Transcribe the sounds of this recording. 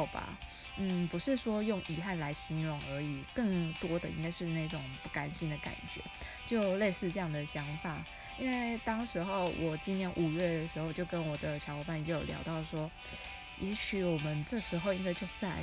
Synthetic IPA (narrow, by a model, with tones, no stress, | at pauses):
ʊba̰˩ | n̩˥˩pu˧˥ʂɻ̩˥˩ʂwɔ˥jʊ˥˩ŋi˧˥xa˥˩nla˧˥ɪɕi˧˥nɻʊ˧˥˦ŋə˞˧˥i˨˩kɤ˥˩ŋt̪wɔ˥d̪ə˨ʔḭ˥ŋka˥ɪʂɻ̩˥˧na˥˩ɪʈ͡ʂʊ˨˩ŋpu˥˩ka˧˥nɕi˥nd̪ə˨ka̰˨˩nt͡ɕɥɛ̰˧˦ | t͡ɕjo˥˧ʊle˥˧ɪsɹ̩˥˧ʈ͡ʂɤ˥˧jɑ˥˩ŋd̪ə˩ɕjɑ˧˥ŋfa˨˩˦ | i˥nwe˥˩ɪt̪ɑ˥ŋʂɻ̩˧˥xo˥˩ʊwʔɔ˨˩t͡ɕi˥njɛ˧˥nʔu˨˩ɥɛ˥˩d̪ə˩ʂɻ̩˧˥xo˧ʊt͡ɕjo˥˧ʊkə˦˥nwɔ˨˩d̪ə˦t͡ɕʰjɑ˧˥wɔ˧˥pa˥˩njɛ˧˥jo˨˩ljɑ̰˧˥ʊt̪ɑ˥˩ʊʂwɔ˥ | jʔɛ˧˥ɕʰy˨˩wɔ˨˩mə˦nʈ͡ʂɤ˥˩ʂɻ̩˧˥xo˥˧ʊĩ˥ŋka˥˧t͡ɕjo˥˧ʊt͡sa˥˩ɪ